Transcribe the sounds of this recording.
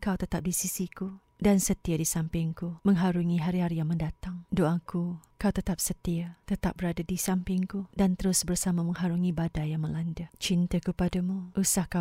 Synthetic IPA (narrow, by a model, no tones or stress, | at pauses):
kawt̪ət̪ap̚disisiku | dansət̪iadisampɪŋkumə̃ŋɦaɾuŋiɦaɾiɦaɾijaŋməndat̪aŋdoʔakukawt̪ət̪ap̚sət̪iat̪ət̪ap̚bəɾadadisampɪŋkudant̪əɾʊsbərsamamə̃ŋɦaɾuŋibadajaŋmə̃landat͡ʃint̪əkəpadəmuʔusahka